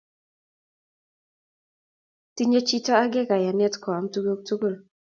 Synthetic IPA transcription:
ti˦ɲe˦t͡ʃi˦tɔ˦a˦ɡɪ˦ka˨ja˨nɛ˦tkɔ˨a˨mtu˦ɡo˦k̚tu˦ɡo˦˨l

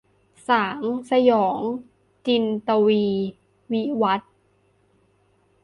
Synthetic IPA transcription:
saː˩˦ŋsa˧jɔː˩˦ŋ | t͡ɕi˧nt̪a˧wiː˧ | wi˦˥wa˦˥t̪̚

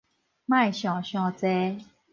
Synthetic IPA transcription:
mã˥˧˨jɕjɔ̃˨˩ɕjɔ̃˧t͡sɛ˦

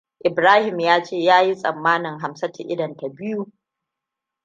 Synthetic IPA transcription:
ʔɪ˨bɾaː˦hɪ˨mjaː˦t͡ʃeː˦˨jaː˦ji˦sʼɐ̰˨mːaː˦nɪ˨ŋɦa˨msɐ˦ta˨ʔɪ˦dɐ˨nta˨bɪ˦ju˦

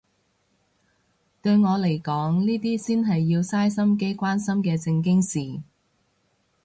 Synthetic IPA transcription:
t̪ɵ˧ɥŋɔː˨˧le˨˩jkɔː˨˥ŋniː˥t̪iː˥siː˥nɦɐ˨jːiː˧wsaː˥jsɐ˥mk̬e˥jkʷaː˥nsɐ˥mkɛː˧t͡sɪ˧ŋk̬ɪ˥ŋsiː˨˩

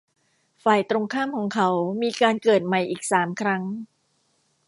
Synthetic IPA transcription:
faː˨˩jt̪ɾo˧ŋkʰaː˥˩mkʰɔː˩˦ŋkʰa˦˥wmiː˧kaː˧nkɤː˨˩t̪̚ma˨˩jʔiː˨˩k̚saː˩˦mkʰɾa˦˥ŋ

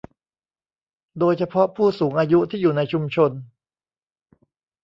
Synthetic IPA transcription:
doː˧jt͡ɕʰa˧pʰɔ˦˥ʔpʰuː˥˩suː˩˦ŋʔaː˧ju˦˥t̪ʰiː˥˩juː˨˩na˧jt͡ɕʰu˧mt͡ɕʰo˧n

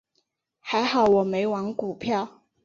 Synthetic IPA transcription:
xa˧˥ɪxɑ˨˩ʊwɔ˨˩me˧˥ɪwɑ˧˥ŋku˨˩pʰjɑ˥˩ʊ

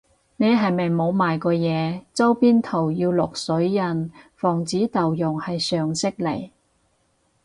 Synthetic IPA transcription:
ne˨˧jɦɐ˨jmɐ˨jmo˨˧wmaː˨jkɔː˧jɛː˨˧t͡sɐ˥wpiː˥nt̪ʰo˨˩wjiː˧wlʊ˨k̚sɵ˨˥ɥjɐ˨˩nfɔː˨˩ŋt͡siː˨˥t̪ɐ˨wjʊ˨˩ŋhɐ˨jsœː˨ŋsɪ˥k̚le˨˩j

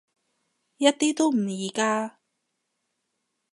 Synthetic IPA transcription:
jɐ˥t̚t̪iː˥t̪o˥wm̩˨˩jiː˨˩kaː˥

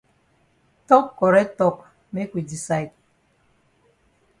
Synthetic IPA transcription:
tɔ˦kːɔ˨ɾɛ˦tɔ˦k | me˦kʷi˨di˨sa˦˨jt̚

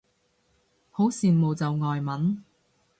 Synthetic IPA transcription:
ho˨˥wsiː˨nmo˨˧wt͡sɐ˨wŋɔː˨jmɐ˨˥n

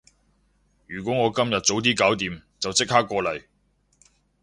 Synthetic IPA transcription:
jyː˨˩k̬ʷɔː˨˥ŋɔː˨˧kɐ˥mjɐ˨t̚t͡so˨˥wt̪iː˥kaː˨˥wt̪iː˨˧mt͡sɐ˨wt͡sɪ˥k̚haː˥kːɔː˧lɐ˨˩j

